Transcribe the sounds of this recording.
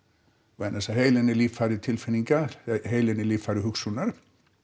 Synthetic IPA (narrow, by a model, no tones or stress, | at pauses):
ɛnːasaɦejlɛnɪliːffaɾʏt̪ʰɪlfɪnːiŋkaɦejlɛnɪliːfaɾʏɦʏksunaɾ̥